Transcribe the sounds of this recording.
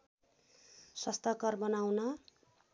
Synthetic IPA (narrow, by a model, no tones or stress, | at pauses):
sʌst̪akʌrbʌnawnʌ